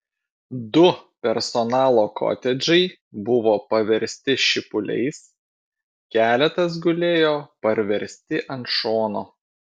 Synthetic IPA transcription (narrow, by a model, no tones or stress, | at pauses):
d̪ʊpʲɛɾsɔnɑːlˠoːkʰo̰ːt̪ʲɛd͡ʒʲɛɪ | bʊʋoːpɐʋʲɛɾʲsʲt̪ʲɪʃʲɪpʊlʲɛ̰ɪs | kʲæːlʲɛt̪ɐs̬ɡʊlʲeːjoːpɐɾʲʋʲɛɾʲsʲt̪ʲɪʔɐnt̪ʃoːnoː